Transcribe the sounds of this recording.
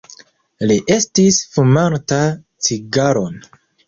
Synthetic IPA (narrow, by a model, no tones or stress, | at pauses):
liʔe̞stisfumanta | t͡siɡaɾo̞n